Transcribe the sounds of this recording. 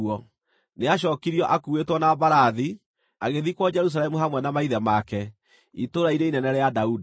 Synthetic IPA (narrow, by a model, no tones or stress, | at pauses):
ɔ | neaʃ̬ɔːkiɾiɔʔakuetwɔnabaɾaði | aɣeðikwɔd͡ʒɛɾus̬alɛmuɦamwɛnamaiðɛmakɛ | itoɾaiɾeinɛnɛɾɛjadaudi